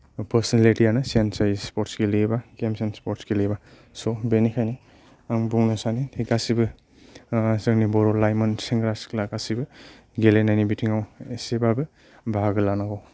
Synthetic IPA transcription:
pɐɾsnaletijanɯsensajspɔtskelebakemsenspɔɾskeleba | sobenikʰajni | aŋbuŋnɔsanitʰeɡasibɯ | sɯŋnibɔɾɔlajmɔnseŋɡɾasklakasibɯ | ɡelenajnibitʰiŋawesebabɯ | bʱaɡɯlanaɡaw

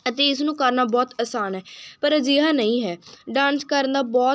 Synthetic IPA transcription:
ət̪eːɪs̬nũːkəɾnaːbɔːt̪əsaːnɦɛːpəɾd͡ʒiːɦãːnəĩːɦɛːɖãːnskəɾnd̪aːbɔː

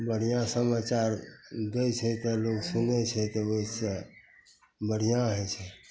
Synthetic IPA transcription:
bəɽ̤ijãsəmat͡ʃaɾɡ̪əjt͡ʃʰɛt̪əloksunɛt͡ʃʰɛt̪ɔosə | bəɽijãɦɛt͡ʃʰɛ

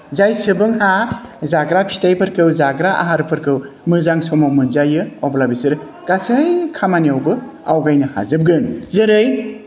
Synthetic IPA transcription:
zajsɯbɯŋɦazaɡɾapʰi̥tajpʰɯɾkɯwzaɡɾaʔa̰ɦaɾɯpʰɯɾkɯw | mɯzaŋsɔmawmɯnzajɯɔblabisɯɾ | kasajkʰamaniawbɯawɡajnɯha̰zɯb̚ɡɯnzɯɾɯj

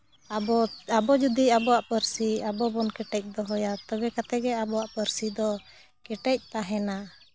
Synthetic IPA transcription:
abɔabɔd͡ʒud̪iabɔwaʔpəɾsiabɔbɔnkɛʈɛc̚ˀd̪ɔɦɔjat̪ɔbɛkat̪ɛɡɛabɔwaʔpəɾsid̪ɔ | kɛʈɛc̚t̪aɦɛna

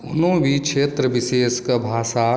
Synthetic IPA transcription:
ʊnõbʱikʃʰeːt̪ɾəbɪseːskəbʱaːʃa

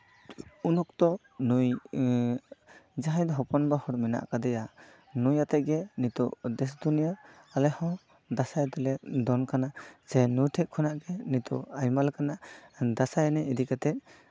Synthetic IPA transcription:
unɔk̚t̪ɔ | nuj | d͡ʒaɦajd̪ɔɦɔpɔnbahɔɾmɛna̰ʔkad̪ɛja | nujat̪ɛʔ̚ɡɛnit̪ɔʔd̪ɛsd̪unija | alɛhɔ̃ | d̪asajt̪ɔlɛd̪ɔnkanasɛnujtʰɛʔ̚kʰɔnaʔɡɛnit̪ɔ̰ajmalkanad̪asajanɛid̪ikat̪ɛʔ̚

